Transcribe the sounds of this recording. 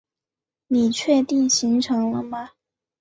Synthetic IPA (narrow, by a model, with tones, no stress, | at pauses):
ni˨˩t͡ɕʰɥɛ˥˧t̪i˥˩ŋɕi˧˥ŋʈ͡ʂʰɤ˧˥ŋlə˧mɐ˧